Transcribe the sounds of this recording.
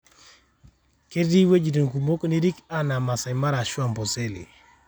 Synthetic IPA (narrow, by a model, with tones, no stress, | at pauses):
ke˦di˦we˦d͡ʒi˨do˨ŋku˨mo˦kni˦ɾi˦ka˦na˨ma˨sa˨ma˦ɾa˨ʃwa˦˨mpɔ˨se˦lḭ˨